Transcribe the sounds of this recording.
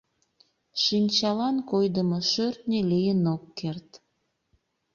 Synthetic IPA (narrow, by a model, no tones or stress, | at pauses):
ʃinʲt͡ɕɑlɑnkojd̪əmoʃørt̪nʲelijənokːert̪